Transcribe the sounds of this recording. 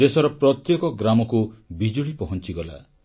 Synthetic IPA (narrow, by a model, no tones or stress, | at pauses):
esɔɾɔpɾɔt̪jɔkɔɡɾamɔkubid͡ʒuɭipɔɦɔnt͡ʃiɡɔla̰